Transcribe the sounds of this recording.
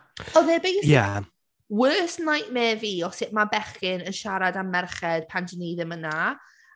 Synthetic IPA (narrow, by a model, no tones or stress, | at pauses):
ɔðeːbejja̰ | wɜːsnajʔmɛːviːɔsɪʔmabɛχɪnənʃaɾadamɛrχɛd̥̚pʰand͡ʒəniðəməna